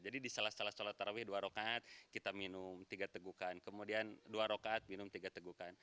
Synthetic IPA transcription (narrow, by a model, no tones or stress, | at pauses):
d͡ʒadidisalahsalahsalat̪ːaɾawɪhduaɾokaʔat̪̚kit̪aminʊmt̪iɡat̪əɡukankəmudianduaɾokaːt̪̚minʊmt̪iɡat̪əɡukan